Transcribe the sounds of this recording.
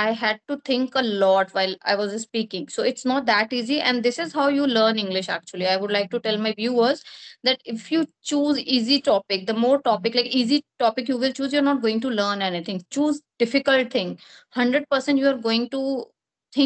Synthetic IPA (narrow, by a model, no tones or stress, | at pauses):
aɪɦæɖ̚ʈut̪ʰɪ̃ŋkəlɔːʈʋaɪla̰ɪʋɔzspiːkɪ̃ŋsoːɪʈsnɔːʈ̚d̪æʈiːziʔɛ̰̃nɖd̪ɪsɪzɦaʊjuːləːɾnɪ̃ŋɡlɪʃæ̰k̚t͡ʃuəliaɪʋʊɖlaɪk̚ʈuʈɛlmaɪʋjuːəzd̪æʈɪfjuːt͡ʃuːziːziʈɔːpɪk̚d̪əmoːɾʈɔːpɪklaɪkiːziʈɔːpɪkjuːʋɪlt͡ʃuːzjuəɾnɔːʈ̚ɡoːɪ̃ŋʈuləːɾnɛnit̪ʰɪ̃ŋt͡ʃuːzɖ̥ɪfɪkəlʈ̚t̪ʰɪ̃ŋ | hʌ̃ɳɖɾəɖ̚pəɾsɛ̃ɳʈjuːaɾɡoːɪ̃ŋʈu | t̪ʰɪ̃